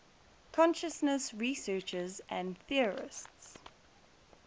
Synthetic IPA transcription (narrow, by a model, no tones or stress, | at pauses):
kʰɔ̃nʃəsnəsɹisɜːˑt͡ʃəzʔə̃nθiəɹɪ̰sts